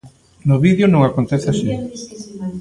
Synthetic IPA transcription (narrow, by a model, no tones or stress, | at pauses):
nʊβiðjonõŋakont̪eθɪaʃi